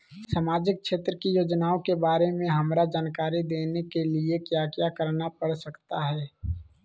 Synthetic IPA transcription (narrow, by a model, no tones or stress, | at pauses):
saːmaːd͡ʒɪk̚ʃeːt̪ɾəkijoːd͡ʒnaːõkebaːɾemẽɦɐmɾad͡ʒaːnkaːɾid̪eːnekeliekjaːkjakəɾnapəɽsəkt̪aɦɛː